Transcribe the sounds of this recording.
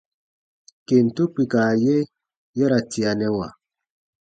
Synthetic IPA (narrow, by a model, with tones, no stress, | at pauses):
ke˨n̩˨tu˦pi˨ka˨je˦ | jɛ˦ɾa˨ti˨a˨nɛ˦wa˨